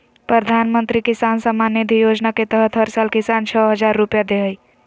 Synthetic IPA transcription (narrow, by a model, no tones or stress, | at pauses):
pɾəd̪ʱanmənt̪ɾikisansəmːanːid̪ʱijod͡ʒnaket̪əɦət̪ʰɦəɾsalkisant͡ʃʰəɦəd͡ʒaɾːupjad̪eɦəj